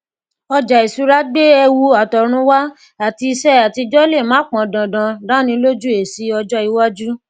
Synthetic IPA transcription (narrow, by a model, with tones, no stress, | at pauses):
ɔ˧d͡ʒa˨i˨su˨˦ɾa˦ɡ͡be˦ɛ˧wu˧a˨tɔ˨ɾ̃ũ˧˦wa˦ | a˨ti˧i˧sɛ˦a˨ti˧d͡ʒɔ˦le˦˨mã˨˦k͡pɔ̃˨dã˨dã˨dã˦nĩ˧˦lo˦d͡ʒu˦e˨si˨˦ɔ˧d͡ʒɔ˦i˧wa˦d͡ʒu˦